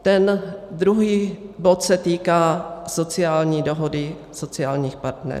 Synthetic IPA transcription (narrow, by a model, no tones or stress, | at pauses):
t̪ɛnd̪ɾuɦiːbo̞t̪sɛt̪iːkaːso̞t͡sɪjaːlɲiːdo̞ɦodɪ | so̞t͡sɪjaːlɲiːxpaɾt̪nɛ̰ɾ